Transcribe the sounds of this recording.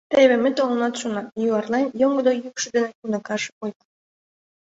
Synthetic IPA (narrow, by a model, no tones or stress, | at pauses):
t̪eβĕmĕt̪olɤnɑt̪ʃunɑjuɑrlɑnjoŋɡəd̪ojykʃə̆d̪enekunə̆kɑʃojt̪